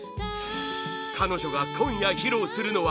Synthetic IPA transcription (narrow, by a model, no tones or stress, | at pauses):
tʰanoɕʰoɡat̪ʰoɲjaçiɾosʰɯɾɯnowa